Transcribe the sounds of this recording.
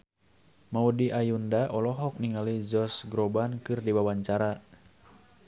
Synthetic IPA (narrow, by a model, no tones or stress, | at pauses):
maudiʔajundaʔɔlɔɦɔk̚niŋalid͡ʒɔsɡɾɔbankɨrdiwawaɲt͡ʃaɾa